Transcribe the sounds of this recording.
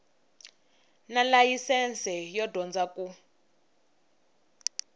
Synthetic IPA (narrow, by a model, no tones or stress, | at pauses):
nalajisɛnt͡sɛjɔdʱɔnd͡zaku